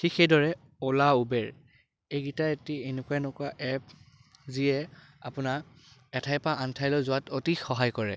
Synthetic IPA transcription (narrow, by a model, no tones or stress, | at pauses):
xixejdɔɹɛ | ɔlaubɛɹ | ejɡitaetienekuaɛnɔkʊaʔɛp̚ | ziɛ | apʊnaɛtʰajpaʔantʰajlɔzʊwatotixɔɦajkɔɹɛ̰